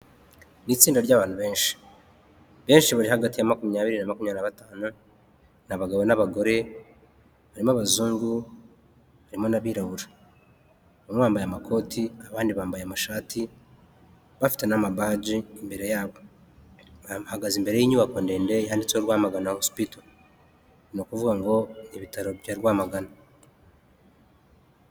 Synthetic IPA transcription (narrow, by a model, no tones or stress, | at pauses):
nit͡siːndaɾɟaβaːn̥huβe̞ːnʃi̥ | βe̞ːnʃiβaɾiɦaɡatijamakumiɲaːβiɾinamakumiɲanaβataːnu | naβaɡaβo̞naβaɡo̞ɾe̞ | βaɾimaβazuːŋɡu | βaɾimo̞naβiːɾahuɾa | βamβaːmbajamakʰo̞ːtʰiaβaːndiβaːmbajamaʃaːti | βafi̥te̞namabaːɟiimbe̞ɾe̞jaːβo | haɡazimbe̞ɾe̞jiːɲuβakonde̞ːnde̞iɦandit͡soɾwaːmaɡanahosu̥pito | nokuvuɡaŋɡo̞iβitaɾo̞jaɾɡwaːmaɡana